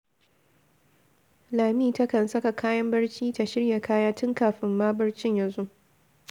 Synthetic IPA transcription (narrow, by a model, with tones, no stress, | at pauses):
laː˨miː˦tɐ˦kɐ˨nsɐ˦ka˨kʰaː˦jɐ˦mbɐ˦ɽt͡ʃiː˦ta˨ʃɪ˦ɽja˨kʰaː˦jaː˦tʊ˦ŋkaː˨ɸɪ˦mːaː˦bɐ˦ɽt͡ʃɪ˦ɲjɐ˨nzu˦ʔ